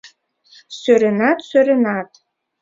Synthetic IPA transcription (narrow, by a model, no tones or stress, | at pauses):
søɾenɑt̪søɾenɑt̪